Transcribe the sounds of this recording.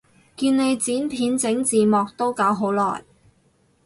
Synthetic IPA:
kiː˧nne˨˧jt͡siː˨˥npʰiː˨˥nt͡sɪ˨˥ŋt͡siː˨mɔː˨k̚t̪o˥wka˨˧˥wɦo˨˥wlɔ̰ː˨˩j

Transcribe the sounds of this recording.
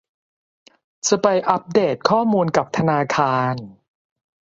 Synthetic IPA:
t͡ɕa˧pa˧jʔa˦˥p̚deː˨˩t̪̚kʰɔː˥˩muː˧nka˨˩p̚t̪ʰa˧naː˧kʰaː˧n

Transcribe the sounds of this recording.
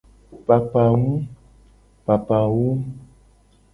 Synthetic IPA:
pa˨pa˨ŋũ˦ | pa˨pa˨wu˦

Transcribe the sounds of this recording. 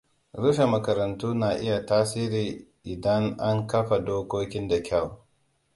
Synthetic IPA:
ɾʊ˦ʃe˨mɐ˨kɐ˨ɾɐ˨ntuː˦naː˨ʔɪ˦ja˨taː˦siː˦ɾiː˨ʔɪ˨dɐ˦ŋʔa˦ŋkɐ˦ɸa˨doː˦kʷoː˦kʲɪ˦nda˨kʲʰa˦˨w

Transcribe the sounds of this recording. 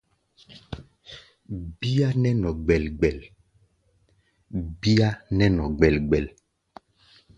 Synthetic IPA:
bi˦a˦nɛ˦nɔ˨ɡ͡bɛ˨lɡ͡bɛ˨l | bi˦a˦nɛ˦nɔ˨ɡ͡bɛ˨lɡ͡bɛ˨l

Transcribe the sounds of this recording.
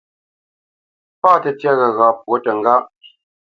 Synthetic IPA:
pa˦˨tə˨tjɛ˦ɣə˨ɣa˨p̚wo˦tə˨ŋ̩˦ɡa˦ʔ

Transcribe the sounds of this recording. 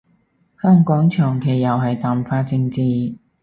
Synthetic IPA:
hœː˥ŋkɔː˨˥ŋt͡ʃʰœː˨˩ŋkʰe˨˩jːɐ˨wɦɐ˨jt̪aː˨˩mfaː˧t͡sɪ˧ŋt͡siː˨˧

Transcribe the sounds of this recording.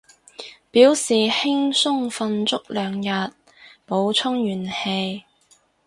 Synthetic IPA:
piː˨˥wsiː˨hɪ˥ŋsʊ˥ŋfɐ˧nt͡sʊ˥k̚lœː˨ŋjɐ˨t̚ | po˨˧wt͡sʰʊ˥ŋjyː˨˩nhe˧j

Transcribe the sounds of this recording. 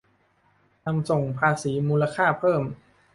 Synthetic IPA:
na˧mso˨˩ŋpʰaː˧siː˩˦muː˧la˧kʰaː˥˩pʰɤː˥˩m

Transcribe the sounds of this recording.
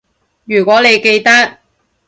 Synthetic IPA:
jyː˨˩kʷwɔː˨˥ne˨˧jke˧jt̪ɐ˥k̚

